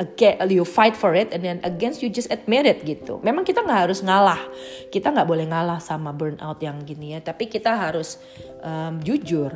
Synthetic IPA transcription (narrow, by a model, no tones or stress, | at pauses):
əɡɛjufajt̪fɔɾɪt̪ɛndɛnəɡɛnstjud͡ʒasɛt̪̚mɛɾɪt̪̚ɡit̪ṵmemaŋkit̪aŋɡaʔɦaɾʊsŋalahkit̪aŋɡaʔbolɛhŋalahsamabərna̰wt̪jaŋɡinijat̪apikit̪aɦaɾʊs | ʔəmd͡ʒud͡ʒʊr